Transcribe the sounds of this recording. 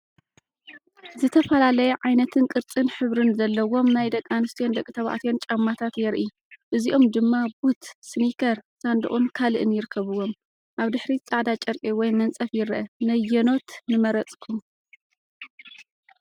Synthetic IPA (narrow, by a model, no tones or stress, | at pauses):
zɨt̪ʰɐfɐlalɐjɛʕajnɐt̪ʰɨnkʼɨɾt͡sʼɨnħɨβɾɨnzɐlːɐwo̞mnajd̪ɐkʼːanɨst̪ʰijond̪ɐkʼɨt̪ʰɐβa̰ʕt̪ijo̞nt͡ʃʼɐmːat̪ʰat̪jɛɾʔi | ʔɨziʔo̞md̪ɨmːabut̪snikʰɐɾsand̪ɨ̰χʼunkʰalɨʔɨnjɪɾɨkʰːɐβɨwo̞m | ʔaβd̪ɨħɾit͡sʼaʕd̪at͡ʃʼɐɾkʼiwɔjmɐnt͡sʼɐfjɪɾʔɐnɐjːɐno̞t̪nɨmɐɾɐt͡sʼkʰum